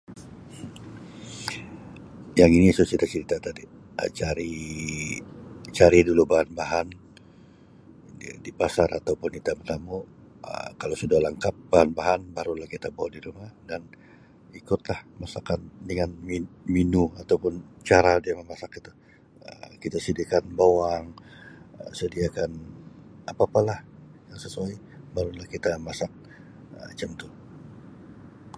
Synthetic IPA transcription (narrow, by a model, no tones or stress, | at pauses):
jaŋinisot͡ʃit̪at͡ʃəɾit̪at̪adi | ə̰t͡ʃaɾi | t͡ʃaɾidulubahanbaɦan | dipasaɾa̰t̪awpʊnkit̪apət̪amu | ə̰kalosudalaŋkap̚bahanbaɦanbaɾulahkit̪abawadiɾumahdan | ikʊt̪lahmasakandəŋanmiminuat̪awpʊnt͡ʃaɾadiaməmasakːit̪a | ə̰kit̪asidikanbawaŋ | sədiakan | apapalahjaŋsəsuajbaɾulahkit̪amasak̚ | ə̰t͡ʃəmt̪ʊ